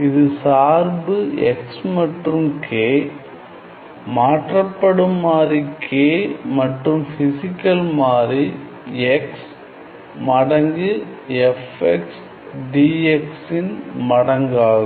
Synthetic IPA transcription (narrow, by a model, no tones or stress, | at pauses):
ɪðɯsaːɾbɯɛ̰ksmɐʈrɯmkʰeː | maːʈrɐpːɐɽɯmːaːɾikʰeːmɐʈrɯmfɪsɪkːɐlmaːɾi | ɛks | mɐɽɐŋɡɯɛfɛks | ɖiːɛksɪnmɐɽɐŋɡaːðɐ